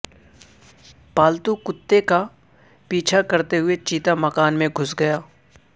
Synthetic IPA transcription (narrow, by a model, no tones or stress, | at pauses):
paːlt̪ukʊt̪ːeka | piːt͡ʃʰakɐɾt̪eɦʊet͡ʃiːt̪amɐkaːnmẽɡʱʊsɡɐjaː